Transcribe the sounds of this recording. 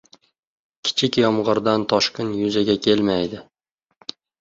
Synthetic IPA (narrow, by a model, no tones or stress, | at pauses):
kʲʰɪ̥t͡ʃʰɪkʲjɒmʁɨɾd̪ant̪ʰɒʃqɪnjʊzaɡʲakʲʰe̞lmajd̪ɪ